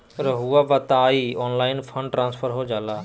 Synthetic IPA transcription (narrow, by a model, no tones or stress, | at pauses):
ɾəɦuaʋɐt̪aːiɔːnlaːɪnpʰə̃ɳɖʈɾãːnspʰəɾɦoːd͡ʒaːlaː